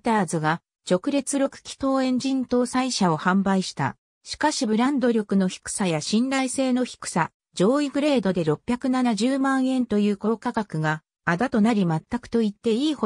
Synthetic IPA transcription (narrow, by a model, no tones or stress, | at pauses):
t̪aːzɨɡa | t͡ɕo̞kɯ̟ɾʲe̞t͡sɨɾo̞kɯ̟̥kʲi̥t̪o̞ːẽ̞ɲ̟d͡ʑĩnt̪o̞ːsaiɕao̞hãmbaiɕi̥t̪a̰ | ɕi̥kaɕibɯ̟ɾãnd̪o̞ɾʲo̞kɯ̟no̞çi̥kɯ̟̥sajaɕĩnɾaise̞ːno̞çi̥kɯ̟̥sa | d͡ʑo̞ːiɡɯ̟ɾe̞ːd̪o̞d̪e̞ɾo̞pʲːjakɯ̟nanaʑɨːmãɰ̃ẽ̞nt̪o̞jɯ̟ːko̞ːkakakɯ̟ɡaː | d̪at̪o̞naɾʲimat̪ːakɯ̟̥t̪o̞it̪ːe̞iːho